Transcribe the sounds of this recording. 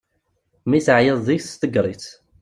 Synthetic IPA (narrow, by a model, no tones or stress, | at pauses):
miθʕjəðˤðiθst̪əɡɾˤit͡s